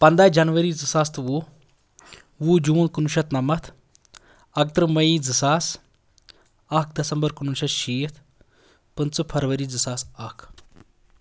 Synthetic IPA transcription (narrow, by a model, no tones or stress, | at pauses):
pɐnd̪aːd͡ʒɐnʋɐɾiːd͡zɨsaːst̪ʋu | ʋud͡ʒuːnkunuʃɐt̪nɐmɐt̪ʰ | ɐk̚t̪ɾɨmɐiːd͡zɨsaːs | ɐk̚ʰd̪ɐsɐmbɐɾkunuʃɐt̪ʃiːt̪ʰ | pɨnt͡sɨpʰɐɾʋɐɾiːd͡zɨsaːsɐkʰ